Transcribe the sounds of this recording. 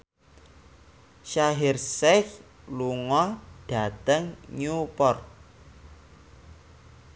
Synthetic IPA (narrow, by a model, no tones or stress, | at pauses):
ʃaɦɪrsɛk | luŋɔɖ̥a̤t̪əŋɲupɔrt̪̚